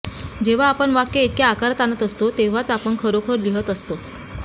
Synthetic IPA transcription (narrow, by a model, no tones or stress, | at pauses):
d͡ʑeʋ̤aːpəɳʋakːeit̪̚kjaːkaɾat̪anət̪əst̪ot̪eʋ̤at͡sapəɳkʰəɾokʰəɾliɦət̪əst̪o